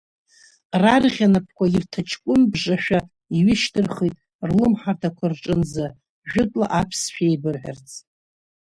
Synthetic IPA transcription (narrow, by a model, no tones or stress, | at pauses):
rarʁʲanapʰkʷairtʰat͡ʃʰkʷʼʊmbʐaʃᶣa | iɥɪʃtʰɨrχijtʼ | rlɨmħartʰakʷʰarʈ͡ʂʼɨnza | ʒᶣʊtʼla̰ʔapʰsʃᶣajbɨrħᶣa̰rt͡sʰʼ